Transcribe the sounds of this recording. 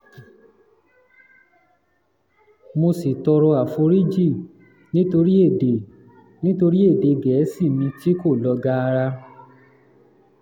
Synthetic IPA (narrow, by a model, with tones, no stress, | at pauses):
mo˧si˨tɔ˧ɾɔ˧a˨fo˧ɾi˦d͡ʒi˦˨ | nĩ˦to˧ɾi˦e˦˨de˨ | nĩ˦to˧ɾi˦e˦˨de˨ɡɛ˨˦si˦˨mĩ˧ti˦ko˦˨lɔ˧ɡa˧˦˧ɾa˧